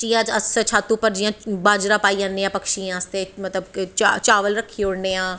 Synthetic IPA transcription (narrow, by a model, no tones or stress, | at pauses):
t͡ʃijãːd͡ʒəset͡ʃʰaːt̪ːuːpəɾd͡ʒɪjãːbaːd͡ʒɾãːpaːiãːnːeːãːpəkʃijãːəst̪eːmət̪ləbt͡ʃat͡ʃaːʋəlɾəkʰːiːoɽneːãː